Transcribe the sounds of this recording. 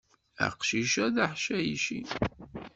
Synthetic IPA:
ə̰qʃiʃæðæħʃæjiʃḭ

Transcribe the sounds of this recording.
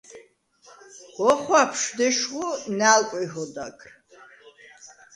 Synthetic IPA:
ɔχʷapʰʂd̪ɛʃʁʊnaːlkʷʼixɔd̪akʰʼr

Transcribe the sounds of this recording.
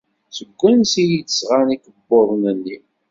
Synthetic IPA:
səɡʷːænsijit͡ssʁanikəbːoðˤnənːi

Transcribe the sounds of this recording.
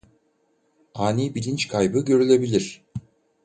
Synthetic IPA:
aːnʲibilʲint͡ʃkʰajbɯɟø̞ɾylʲe̞bilʲiɾ̥

